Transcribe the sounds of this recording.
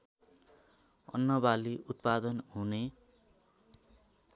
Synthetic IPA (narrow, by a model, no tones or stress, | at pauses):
ʌ̰nːʌbaliʔut̪pad̪ʌnɦune